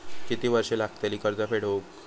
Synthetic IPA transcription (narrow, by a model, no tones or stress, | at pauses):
kit̪iːʋəɾʂelaɡ̚t̪aliːkəɾd͡zafeɽ̤ok